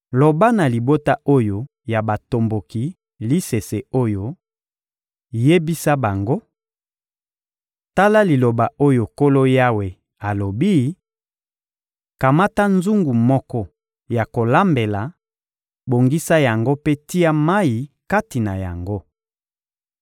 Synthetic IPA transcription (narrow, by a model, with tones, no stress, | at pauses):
lo˨ba˦na˨li˨bo˦ta˦ʔo˦jo˦ | ja˨ba˨to˨mbo˨ki˨ | li˦se˨se˨o˦jo˦ | je˦bi˦sa˦ba˨ŋɡo˦ | ta˦la˦li˨lo˨ba˨o˦jo˨ko˦lo˦ja˦we˨ | a˨lo˨bi˦ | ka˨ma˦ta˦nzu˦ŋɡu˨mɔ˦kɔ˦ | ja˨ko˨la˦mbe˨la˨ | bo˨ŋɡi˦sa˦ja˨ŋɡo˦pe˦ti˦a˦ma˦ji˨ka˦ti˨na˨ja̰˨ŋɡo˦